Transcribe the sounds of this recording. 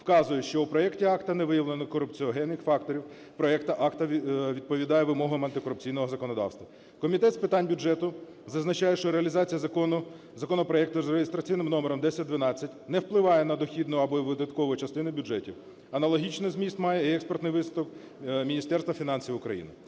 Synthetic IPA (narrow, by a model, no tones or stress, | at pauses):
wkɑzʊjɛʃt͡ʃɔupɾɔɛktʲiɑkt̪ɐnɛʋɪjɐʋlenɪkɔɾʊpt͡sʲiɔɦɛnːɪxfɑk̚t̪ɔɾʲiw | pɾɔɛkt̪ɐʔɑkt̪ɐʋʲid̪̚pɔʋʲid̪ɑjɛʋɪmɔɦʊɐmɐnt̪ɪkɔɾʊpt͡sʲijn̪ɔɦɔzɐkɔnɔd̪ɑ̰wst̪ʋɐ | kɔmʲit̪ɛt̪spɪt̪ɑnʲbʲʊd͡ʒɛt̪ʊ | zɐznɐt͡ʃɑjɛʃt͡ʃɔɾeɐlʲizɑt͡sʲijɐ | zɐkɔnɔpɾɔɛk̚t̪ʊzreɪst̪ɾɐt͡sʲijnɪmnɔmeɾɔmd̪ɛsʲɐt̚ʲd̪ʋɪnɑt͡sʲːɐtʲnɛwplˠɪʋɑjɛnɐd̪ɔxʲid̪nʊɐbɔiʋɪd̪ɐt̪kɔʋʊjit͡ʃɐst̪ɪnʊbʲʊʐɛtʲiw | ɐnɐlˠɔɦʲit͡ʃnɪzmʲist̪mɑjɛiɛkspert̪nɪjʋɪst̪ʊk | mʲinʲist̪ɛrst̪ʋɐfʲinɑnʲsʲiwʊkɾɐ̰jḭnɪ